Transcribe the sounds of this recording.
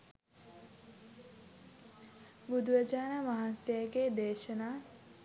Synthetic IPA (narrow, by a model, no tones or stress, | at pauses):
bud̪uʋəd͡ʒaːnəmaɦansjəjəɡed̪eːʃənaː